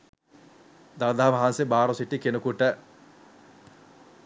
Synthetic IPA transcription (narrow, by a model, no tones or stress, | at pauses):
d̪aːd̪aːʋaɦansebaːɾosiʈːikenukuʈə